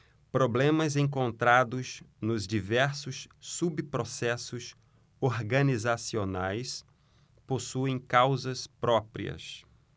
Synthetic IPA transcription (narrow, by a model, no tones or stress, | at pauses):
pɾoblẽmɐzẽŋk̬õnt̪ɾad̪ʊznʊzd͡ʒivɛɾsʊsːubpɾosɛsʊs | oɾɡɐ̃nizasionajs | posuẽj̃kawzɐspɾɔpɾḭɐ̰s